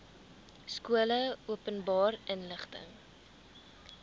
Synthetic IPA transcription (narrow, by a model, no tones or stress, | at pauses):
skuələuəpənbɑːrənləχtə̰ŋ